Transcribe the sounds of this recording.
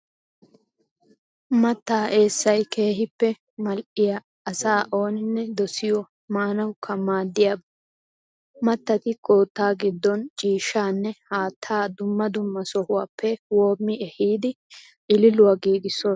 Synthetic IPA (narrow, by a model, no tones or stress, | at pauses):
mɐt̪ːaːʔe̞ːsːɐjke̞ːɦɪpːɛ | mɐlʔɪjɐ | ʔɐsaːʔo̞ːnɪnːɛd̪ɔsɪjɔ | maːnɐwkʰːɐmaːd̪ːɪjab | mɐt̪ːɐt̪ɪkoːt̪ːaːɡɪd̪ːɔnt͡ʃʼiːʃːaːnːɛhaːt̪ʰːaːd̪ʊmːɐd̪ʊmːɐsɔhʊwaːpʰːɛwoːmːɪɛhiːd̪ɪ | ʔɪlɪlʊwaɡiːɡɪsːɔ